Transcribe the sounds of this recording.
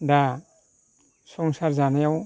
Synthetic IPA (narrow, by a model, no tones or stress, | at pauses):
da | sɔŋsaɾzanajaw